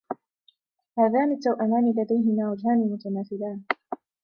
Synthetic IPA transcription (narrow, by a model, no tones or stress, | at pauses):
haːðaːnɪt̪ːawʔamaːnɪlːad̪ajɦɪmaːwad͡ʒɦaːnɪmʊt̪anaːθɪlaːn